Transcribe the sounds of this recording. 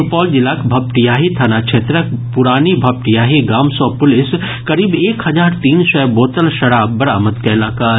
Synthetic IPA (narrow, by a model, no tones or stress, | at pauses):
pɔːld͡ʒɪlaːkbʱɐpʈijaːɦit̪ʰanat͡ʃʰeːt̪ɾəkpʊɾaːnibʱɐp̚ʈijaːɦiɡaːmsɔ̃ːpʊlɪs | kɐɾiːbeːkhɦɐzaːɾt̪iːnsɛboːt̪əlʃɐɽaːbːɐɾaːmət̪kaɪlaːkaːɾ